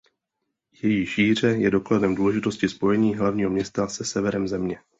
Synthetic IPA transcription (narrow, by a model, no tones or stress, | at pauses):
jɛjiːʃiːr̝ɛjɛdo̞kladɛmduːlɛʒɪt̪o̞scɪspo̞jɛɲiːɦlavɲiːɦomɲɛst̪asɛsɛvɛɾɛmzɛmɲɛ